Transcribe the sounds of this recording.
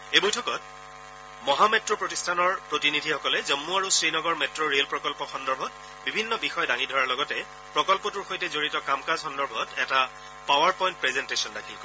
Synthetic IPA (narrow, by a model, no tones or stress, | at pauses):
ebojtʰɔkɔt | mɔɦamɛtɹopɹotistʰanɔɹpɹotinidʱixɔkɔlɛzɔmːuaɹusɹinɔɡɔɹmɛtɹoɹelpɹɔkɔlpɔxɔndɔɹbʱɔt | bibʱinːɔbixɔjɔdaŋidʱɔɹaɹlɔɡɔtɛ | pɹɔkɔlpɔtuɹxojtɛzoɹitɔkamkazxɔndɔɹbʱɔtɛta | pawaɹpɔjnt̚pɹɛzɛntesɔndakʰilkɔ